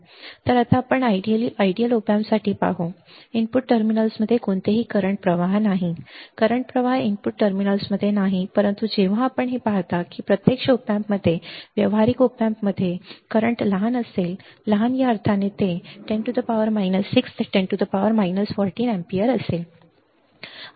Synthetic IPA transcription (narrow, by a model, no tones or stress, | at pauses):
t̪əɾat̪aːpəɳaiɖiəliʔaiɖiəlupamsaʈʰiːpa̰ɦoimpuʈːəɾminəlsməd̪ʱːjekoɳt̪eɦiːkəɾəɳʈ̚pɾəʋaɦnaɦikəɾəɳʈ̚pɾəʋaɦimpuʈːəɾminəlsməd̪ʱjenaɦipəɾənt̪ud͡ʑeʋ̤ãːpəɳɦepaɦt̪akiːpɾət̪jekʂəupjampməd̪ʱːjeʋjəʋɦaɾikupãmpməd̪ʱːjekəɾəɳʈləɦanəselːəɦanjaəɾt̪ʰanet̪eʈẽɳʈud̪əpaʋəɾmajnəsːikst̪eʈẽɳʈud̪əpaʋəɾmajnəsfɔɾʈiːnɛ̃mpiəɾəsel